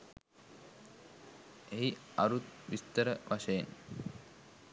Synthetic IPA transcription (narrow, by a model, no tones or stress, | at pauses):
eɦiɐɾut̪̚ʋist̪əɾəʋʔaʃɐjen